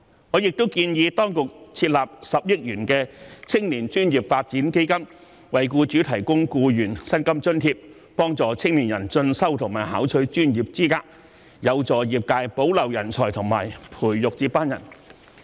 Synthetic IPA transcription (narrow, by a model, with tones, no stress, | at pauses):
ŋɔː˨˧jɪ˨k̚t̪wkiː˧njiː˨˧t̪ɔː˥ŋkʊ˨k̚t͡sʰiː˧t̚laː˨p̚sɐ˨p̚jɪ˥k̚jyː˨˩nkɛː˧t͡sʰɪ˥ŋliː˨˩nt͡ʃyː˥njiː˨˩p̚faː˧t̚t͡siː˨˥nke˥jkɐ˥m | wɐ˨jkuː˧t͡ʃyː˨˥t̪ʰɐ˨˩jkʊ˥ŋkuː˧jyː˨˩nsɐ˥nkɐ˥mt͡ʃɵ˥nt̪ʰiː˧p̚ | pɔː˥ŋt͡sɔː˨˧t͡sʰɪ˥ŋliː˨˩njɐ˨˩nt͡ʃɵ˧nsɐ˥wt̪ʰʊ˨˩ŋmaː˨˩jhaː˨˥wt͡ʃʰɵ˧ɥt͡ʃyː˥njiː˨p̚t͡siː˥kaː˧˥k̚ | jɐ˨˧wt͡sɔː˨jiː˨p̚kaː˧jpo˨˥wlɐ˨˩wjɐ˨˩nt͡ʃʰɔː˨˩t̪ʰʊ˨˩ŋmaː˨˩jpʰuː˨˩jjʊ˨k̚t͡siː˧pːaː˥njɐ̰˨˩n